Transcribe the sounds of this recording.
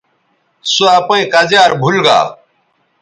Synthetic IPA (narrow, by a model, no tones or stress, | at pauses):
suapẽːkəzjaːɾbʱʊlɡa̰ː